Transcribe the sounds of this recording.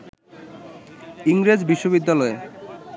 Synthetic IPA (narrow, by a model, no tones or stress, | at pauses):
iŋɾed͡ʑbiʃːoβid̪ːalɔe